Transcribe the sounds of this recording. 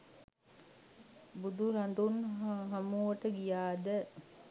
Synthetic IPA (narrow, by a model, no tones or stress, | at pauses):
bud̪uɾand̪unɦamuʋəʈəɡijaːd̪ə